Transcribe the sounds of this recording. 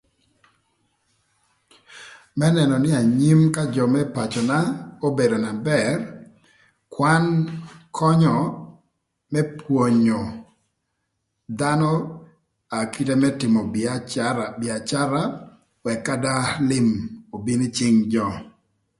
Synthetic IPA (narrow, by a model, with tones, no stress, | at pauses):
mɛ˦nɛ˨nɔ˨nɪ˦a˨ɲi˦mka˦d͡ʒɔ˨mɛ˦pa˨t͡ʃɔ˨na˦o˦be˨do˨na˨bɛ˨r | kwa˦nkʰɔ˦ɲɔ˨ | mɛ˦pwo˨ɲo˨ | d̪a˦nɔ˦ | a˨ki˦te˦mɛ˦tɪ˨mɔ˨ | bɪ˨a˨t͡ʃa˦ɾa˦ | wɛ˨kːa˦da˦lɪ˦mo˨bi˦nɪ˦t͡ʃɪ˦ŋd͡ʒɔ˦˨